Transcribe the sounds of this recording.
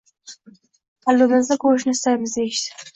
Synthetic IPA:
alːumɪzd̪akʰoʃnɪst̪ajmɪzd̪ejɪʃsɪ̥

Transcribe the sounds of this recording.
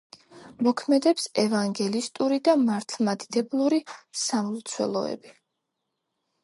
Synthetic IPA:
mɔkʰmɛd̪ɛpsɛvaŋɡɛlist̪ʼuɾid̪amaɾt̪ʰlˠmad̪id̪ɛblˠuɾisamlt̪sʰwɛ̰lˠɔ̰ɛ̰bi

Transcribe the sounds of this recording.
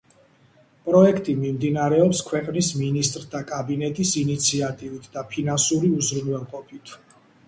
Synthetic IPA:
pʼɾɔɛkʰt̪ʼimimd̪inaɾɛɔpskʰwɛqʼnisminist̪ʼɾd̪akʼabinɛt̪ʼisinit̪sʰiat̪ʼivit̪ʰd̪apʰinansuɾiuzɾunwɛlˠqʼɔpʰit̪ʰ

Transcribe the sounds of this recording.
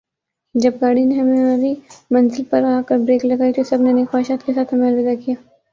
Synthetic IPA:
d͡ʒɐb̚ɡaːɽineɦɐmẽɐbʱimɐ̃nzɪlpɐɾaːkɐɾbɾeːklɐɡaːit̪osɐbnenexɔːɪʃaːt̪kesaːt̪ʰɦɐmeɐɾʋɪːd̪akijaː

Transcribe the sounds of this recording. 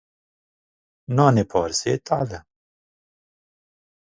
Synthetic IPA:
naːnepʰɔːɾseːt̪a̰ːd̪ɐ

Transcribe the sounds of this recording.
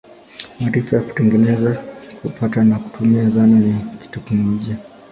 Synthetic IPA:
maɾifajaku̥tɛŋɡɛnɛzakupʰatanaku̥tʰumiazananiki̥tukumum̩ʄia

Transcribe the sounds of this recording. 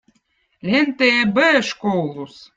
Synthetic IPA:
lʲent̪eebɘʃkowlˠus

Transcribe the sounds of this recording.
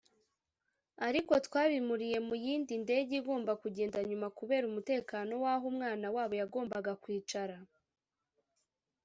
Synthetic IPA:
aɾiko̞tkwaːβimuɾije̞mujiːndinde̞ːɟiɡo̞ːmbakuɟe̞ːndaɲumakuβe̞ːɾumute̞ːkaːno̞waːɦumŋaːnawaːβo̞jaɡo̞ːmbaɡakwiːt͡ʃaɾa

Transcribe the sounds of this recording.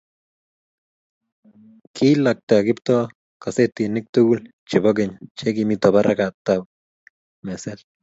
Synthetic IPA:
kʰilak̚t̪aɡipt̪o | kaset̪inik̚t̪uɡul | t͡ʃiboɡent͡ʃeɡimit̪obaɾʔaɡat̪ab | mesel

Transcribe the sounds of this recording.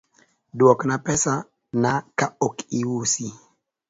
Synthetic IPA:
dwɔknapɛsa | nakaokiwusi

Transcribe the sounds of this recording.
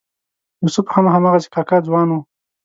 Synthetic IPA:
jusuphamaɦamɑɣasi̥kɑkad͡zwɑnwu

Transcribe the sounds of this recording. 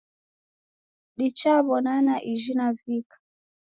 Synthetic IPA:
ɗit͡ʃaβɔnanaʔiʒinavikḁ

